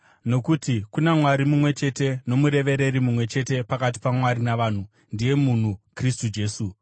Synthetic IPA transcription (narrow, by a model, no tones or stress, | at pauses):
no̞kutikunemwaɾimumwe̞t͡ʃe̞te̞no̞muɾe̞ʋe̞ɾe̞ɾimumwe̞t͡ʃe̞te̞pakat̬i̥pamwaɾinaʋaːn̤u | ndije̞mun̤ukristud͡ʒe̞ːsu